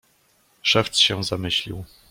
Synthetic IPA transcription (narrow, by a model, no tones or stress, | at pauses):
ʂɛft̪sɕɛzamɘɕlʲḭw